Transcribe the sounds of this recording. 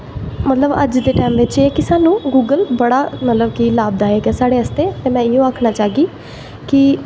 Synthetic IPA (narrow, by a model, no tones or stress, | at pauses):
mət̪ləbə̰d͡ʒd̪eːʈɛːmʋɪt͡ʃeːkɪsaːnũːɡuːɡəlbəɽaːmət̪ləbkilaːb̚d̪aːeːɡaːsaːɽeːəst̪eːt̪eːmɛ̃ːɪjõːaːkʰnaːt͡ʃaːɡiː | kɪ